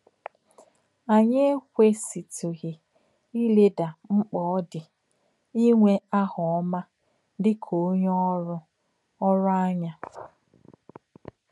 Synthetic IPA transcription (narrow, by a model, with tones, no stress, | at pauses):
a˨ɲe˦e˦kʷe˦si˨tu˨ɣɪ˨ | i˦le˦da˨ŋ͡m̩˦k͡pɔ˨˦dɪ˨ | i˦ŋʷe˦a˦hɔ˨ɔ˦ma˦ | dɪ˦kʰo˨˦ɲɔ˦ɾʊ˦ | ɔ˦ɾʊ˦a˦ɲa˦